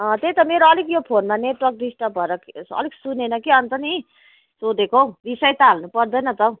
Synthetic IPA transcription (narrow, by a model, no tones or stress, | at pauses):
ʌ̃t̪ejt̪ʌmeɾoʌlikjopʰonmaneʈwʌrk̚ɖisʈʌbʱʌeɾʌksʌ̰liksunenʌkiʌnt̪ʌni | sod̪ekʰobisʌjt̪aːlnupʌrd̪ʌjnʌt̪ʌ